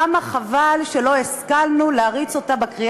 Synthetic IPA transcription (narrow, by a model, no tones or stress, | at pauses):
amaχavalʃe̞lo̞eskalnuleaʁit͡so̞tabakʁi